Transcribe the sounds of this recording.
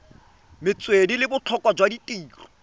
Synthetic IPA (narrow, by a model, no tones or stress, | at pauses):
mɪt͡sʼwedilɪbʊt͡ɬʰɔkʼad͡ʒwaditʼiːrɔ